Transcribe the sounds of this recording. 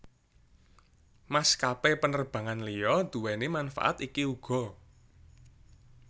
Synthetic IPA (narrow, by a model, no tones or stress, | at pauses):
maskapepənərb̥ä̤ŋanlijɔd̪̥ṳwɛnemanfa̰ʔa̰t̪ikiuɡ̥ɔ̤